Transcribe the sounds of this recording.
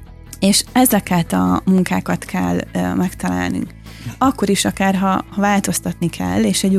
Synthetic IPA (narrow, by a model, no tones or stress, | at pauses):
eːʃɛzɛkɛt̪ɒmuŋkaːkɒt̪kʰɛ̰lːmɛkt̪ɒla̰ːlny̰ŋk | ɒkːo̞ɾiʃɒkaːrɦɒhɒvaːlt̪o̞st̪ɒt̪nikʰɛ̰lːeːʃɛɟ